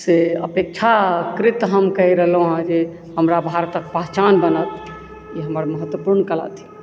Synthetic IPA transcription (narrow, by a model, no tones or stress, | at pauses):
seə̰pek̚t͡ʃʰakɾɪt̪ɦəmkəjɾəɦlũɦãd͡ʒe | ɦəmɾabʱaɾt̪ək̚pəɦt͡ʃanbənət̪ | iɦəməɾməɦət̪wəpuɾnkəla̰t̪ʰi̥